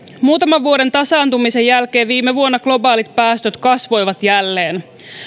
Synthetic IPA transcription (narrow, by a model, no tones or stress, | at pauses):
muːt̪ɑmɑʋːuo̞ɾe̞nt̪ɑsɑːnt̪umise̞jælke̞ːʋʋiːmːeʋuonːɑklo̞bɑːlit̪̚pæːst̪øt̪kɑsʋo̞jʋɑt̪jælːe̞ːn